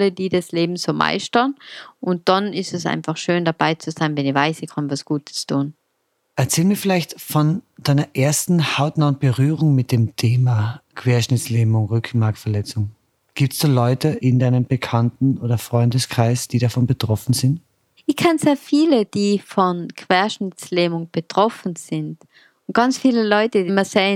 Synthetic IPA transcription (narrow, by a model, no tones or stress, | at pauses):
lədiːdasleːbm̩z̥oːmʔa̰ɪstɐnʔʊnt̚d̥anɪstɛsʔa̰ɪnfaχʃøːndab̥aɪt͡suzaɪnvɛnɪvaɪsɪkʰanvasɡ̥uːtʰə̥stʰuːn | ʔɛɐt͡sɛːlmiːɐfɪlaɪçtfɔnd̥aɪnɐʔeːɐstn̩haʊtnaːʊnt̚b̥əʁyːʁʊŋmɪt̚d̥eːmtʰeːmakʰv̥eːɐʃnɪt͡sleːbmʊŋʁʏk̩ʰmaɐk̚tfɛɐlɛt͡sʊŋ | ɡ̥iːp̚tsd̥uːlɔʏtəʔɪndaɪnəmbəkʰantn̩oːdɐfʁ̥ɔʏndəskʁ̥aɪsd̥iːɾafɔnbətʁ̥ɔfn̩zɪnt | ʔɪçkʰɛnzeːɐfiːləd̥iːfɔnkʰv̥eːɐʃnɪt͡sleːmʊŋb̥ətʁ̥ɔfn̩z̥ɪnd | ʊnt̚ɡ̥ɑnt͡sfiːləlɔʏtədimɐsɛːə